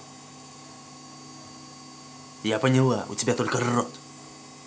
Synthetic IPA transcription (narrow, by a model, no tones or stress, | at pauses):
japəɲəlˠaʔṵt̪ʲibʲat̪olʲkərrot̪